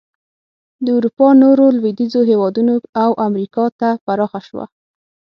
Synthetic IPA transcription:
d̪əuɾupɑnoɾolwed̪izoɦewɑd̪unoawʔamɾikɑt̪apaɾɑxaʃwa̰

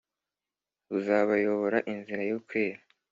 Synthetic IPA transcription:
βuzaːβajo̞βo̞ɾaʔinziɾajokweːɾa

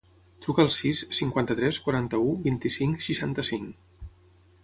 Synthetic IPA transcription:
t̪ɾukəːlˠsisːiŋkwant̪ət̪ɾɛskwaɾant̪əubint̪isiŋsiʃant̪əsiŋ

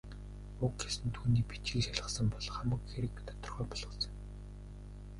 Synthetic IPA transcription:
ʊkxesɘ̆nt̪ʰuːniːpit͡ɕiːkʃaɮʁə̆sə̆mpɔɮχamə̆kxeɾɘ̆kt̪ḁt̪ɞ̆rχœːpɔɮɞ̆sə̆ŋ

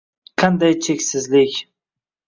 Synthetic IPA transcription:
qʰɑnd̪ajt͡ʃʰekʲsɪzlɪkʲ

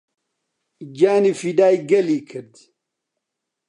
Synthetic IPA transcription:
d͡ʑaːnifidaːjɡɐlikʰəɾd̪

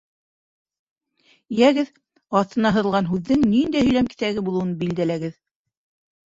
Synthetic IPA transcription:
ijæɡɘð | ɑθt̪ɤ̆nɑɦɤ̆ɾɤ̆lˠʁɑnɦʉðːɘŋnind̪æjhɵ̆jlæmki̥t̪æɡɘbulˠɤ̆wɤnbild̪ælæɡɘð

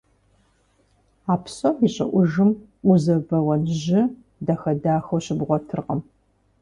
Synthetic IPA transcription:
aːpsɐiɕʼɐ̰ʔʷʊʒɨm | ʔʷʊzɐbɐwɐnʒɪ | dɐxɐdaːxowɕɪbʁʷɔtʰɨrqɐm

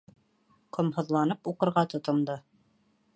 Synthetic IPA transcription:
qŏmhɤ̆ðlˠɑnɤpuqɤ̆ɾʁɑt̪ŏt̪ŏmd̪ɤ

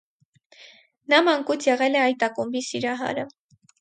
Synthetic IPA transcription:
nɑmɑŋkut͡sʰjɛʁɛlɛɑjt̪ɑkumbisiɾɑɦɑ̰ɾə

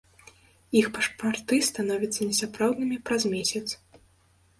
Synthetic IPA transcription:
ixpɐʂpart̪ɨst̪anɔvʲit̪sɐnʲɛsapɾawd̪nɨmʲipɾazmʲesʲɐt̪s

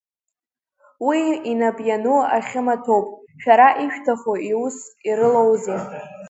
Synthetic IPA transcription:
wiinabʼjanuaχʲɪmatʰo̞wpʼʃᶣaɾaʔiʃᶣtʰaχoʔiusiɾɨlowzɨ

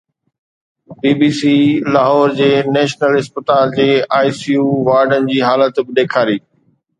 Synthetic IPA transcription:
biːbiːsiːlaːɦɔːɾd͡ʑeːnɛːʃnəlɪspət̪aːld͡ʑeːaːisiːuːʋaːɾɖənɪ̆d͡ʑiːɦaːlət̪bɪɗeːkʰaːɾiː

